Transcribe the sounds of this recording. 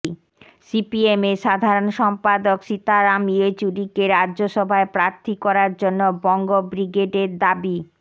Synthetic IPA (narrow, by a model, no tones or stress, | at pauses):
sipiemeʃad̪ʱaɾonʃɔmpad̪okʃit̪aɾamiot͡ɕuɖikeɾadʑoʃɔbʱaepɾaɾt̪ʰikɔɾaɾd͡ʑonːobɔŋɡobɾiɡeɖeɾd̪abi